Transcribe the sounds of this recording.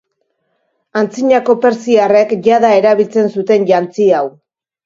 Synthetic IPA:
ant͡siɲako̞pe̞ɾsiare̞kʝaðae̞ɾaβilt͡se̞nsut̪e̞nʎant͡siaw

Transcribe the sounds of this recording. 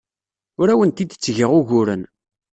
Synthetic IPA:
ʊɾæwənt̪id̪ət͡sːʝəʁʊʝʊɾən

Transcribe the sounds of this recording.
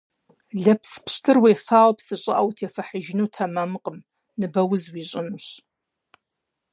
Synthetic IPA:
ɮɐpspɕtʰɨrweːfaːwpsɨɕʼɐ̰ʔɐwtʰeːfɐħəʒɪnuwtʰɐmɐmɨqʼəm | nɨbɐwʊzwiːɕʼɪmɕ

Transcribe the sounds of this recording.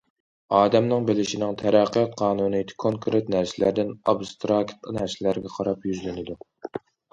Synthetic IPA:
ɑːd̪ɛmnɪŋbɪlɪʃinɪŋt̪ʰɛɾæqːijɑt̪̚qʰɑːnunɨt̪ʰkʰoŋkʰɾʔet̪næɾsɪlæɾd̪ɪnɑbst̪ɾɑkt̪næɾsɪlæɾɡʲɛqʰɑɾɑpjyzlɪnɪd̪u

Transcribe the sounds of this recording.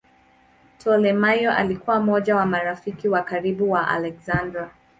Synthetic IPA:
tʰɔlɛmajɔʔa̰likuwam̩ɔʄawamaɾafikiwakaɾiɓuwaʔa̰lɛkzandɾa

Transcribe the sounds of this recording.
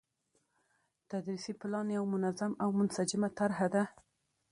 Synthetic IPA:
t̪ad̪ɾisiplɑnjawmʊnazamawmʊnsad͡ʒɪmat̪aɾhad̪a

